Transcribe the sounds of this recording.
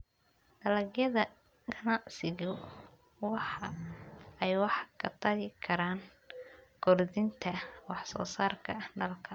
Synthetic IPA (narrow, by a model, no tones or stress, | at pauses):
d̥ɐlɐɡjɐðɐ | ɡʰɐnɑʕsɪɣʊ | wɑħɑ | ɛjwɑħkʰɐt̪ʰɐɣɪkʰɐɾaːn | ɡ̥ɔrðɪnt̪ʰɐwɑħsɔ̰ːsaːrkʰɐɖɐlkʰɐ